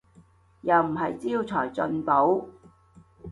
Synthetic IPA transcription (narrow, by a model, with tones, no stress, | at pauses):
jɐ˨wm̩˨˩ɦɐ˨jt͡siː˥iːwt͡sʰɔː˨˩jt͡sɵ˧npo˨˥w